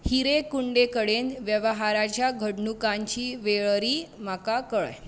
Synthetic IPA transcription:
hiɾekuɳɖekəɽenʋjəʋəɦaɾat͡ɕjaɡʱəɽɳukãɲt͡ɕiːʋeɭɾiːmakakəɭj

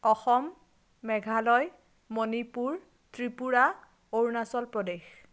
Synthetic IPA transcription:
ɔxɔmː | ɛɡʱalɔj | monipuɹ | tɹipuɹa | oɹnasɔlpɹɔdex

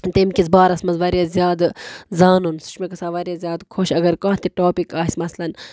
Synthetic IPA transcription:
t̪emkʲizbaːɾɐsmɐzʋɐɾjezʲjaːd̪zaːnunsu̥t͡ʃmekɐsaːʋɐɾʲjezʲjaːd̪kʰoʃɐɡɐɾkɐ̃ːt̪iʈoːpikaːsʲmɐslɐn

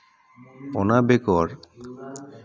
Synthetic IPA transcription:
ɔnabekɔɾ

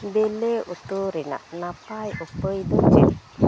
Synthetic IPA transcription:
beleut̪uɾina̰ʔnapajupəjdud͡ʒət̚

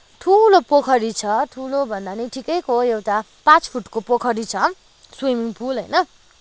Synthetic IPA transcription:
ʈʰulopokʰʌɾit͡sʰʌʈʰulobʱʌnd̪anʌjʈʰikʌjkoewʈa | pãt͡spʰuʈkopokʰʌɾit͡sʰʌ | swimiŋpʰulɦʌjnʌ

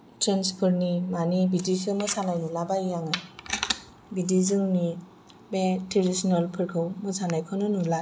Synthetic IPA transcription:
tɾanspʰɔɾnimanibidisɯmɯsanajnulabajjaŋɯ | bidizɯŋni | meteɾisinɔlpʰɯɾkʰɯwmɔsanajkʰɔnɯnula

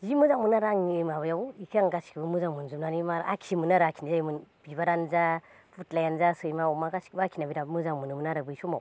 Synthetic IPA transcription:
zimɯzaŋmɯnaɾaŋemaβajawikʰjaŋɡasi̥kbɯmɯzaŋmɯnzumnanimaɾakʰimɯnaɾakʰinzaimɯnb̥iβaɾanza | pʰutlajanzasɯjmaumaɡasi̥kbakʰinabiɾamɯzaŋmɯnɯmɯnaɾɯbɯjsumaw

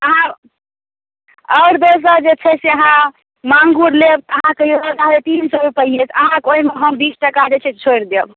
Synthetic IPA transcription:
əɦã | ɔʊɾd̪os̬əd͡ʒet͡ʃʰɛseəɦã | maŋɡuɾleb̪əɦãkeobəɡ̪aet̪insəɾupəijet̪ʰəɦãkoɦimeɦəmbisʈəkad͡ʒet͡ʃʰɛt͡ʃʰoiɾd̪eb

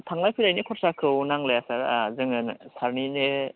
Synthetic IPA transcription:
tʰaŋlajpʰilajnɯkʰɔɾsakʰɯwnaŋlɯjasaɾzɯŋɯnsaɾninɯ

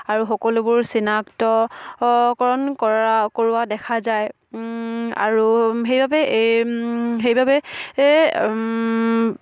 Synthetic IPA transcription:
aɹuxɔkɔlʊbʊɹsinaktɔ | kɔɹɔnkɔɹakoɹʊadɛkʰazaj | a̰ɹuxejbabɛʔ | xejbabɛ

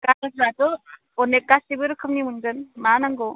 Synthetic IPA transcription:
kakasatɔ | ɔnekːasibɯɾɯkʰɯmnimund͡ʒɯnmanaŋɡɔ

